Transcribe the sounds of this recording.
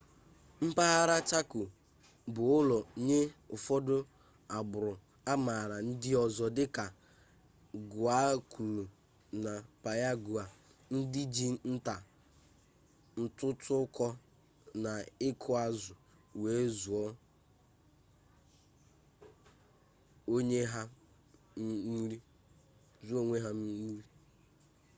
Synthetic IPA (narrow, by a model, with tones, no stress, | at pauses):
m̩˦pa˦a˦ɾa˦t͡ʃa˦kʊ˨ | bʊ˨ʊ˦lɔ˨ɲe˦ʊ˨fɔ˦dʊ˦ | a˨bʊ˨ɾʊ˨ | a˦ma˨ɾa˨n̩˦dɪ˦ɔ˨zɔ˨dɪ˦ka˨ | ɡʊ˨a˦ku˨lu˨ | na˨pa˨ja˦ɡu˨a˨ | n̩˦di˦d͡ʒi˦n̩˦ta˨ | n̩˦tʊ˦tʰʊ˦kɔ˦ | na˨ɪ˦kʰʊ˦a˦zʊ˨ | we˨˦zu˨ɔ˦ | o˦ɲe˦ɦa˦ | ɾi˦ | zu˦o˦ŋʷe˦ɦa˦m̩˦ɾi˦